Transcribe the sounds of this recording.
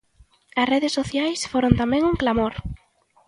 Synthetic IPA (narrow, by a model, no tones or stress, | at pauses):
ɐsreðesːoθjajsfoɾõnt̪amɛ̃ŋuŋklamoɾ